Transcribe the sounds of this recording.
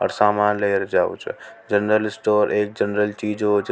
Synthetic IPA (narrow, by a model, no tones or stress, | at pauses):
ɔ̰ɾsaːmaːnleːɾd͡ʒaːṵt͡ʃʰd͡ʒənɾəlɪsʈoːɾʔeːk̚d͡ʒənɾəlt͡ʃiːd͡ʒɦot͡ʃʰ